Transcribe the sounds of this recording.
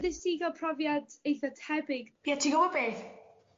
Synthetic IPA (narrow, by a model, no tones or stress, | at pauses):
ðɪsiɡalˠpʰrɔvjadejθətʰɛbɪɡ̥iatʰiɡɔbɔbeːθ